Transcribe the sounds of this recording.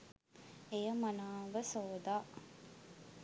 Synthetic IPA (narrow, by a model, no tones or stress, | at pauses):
ejəmɐnaːʋəsoːd̪aː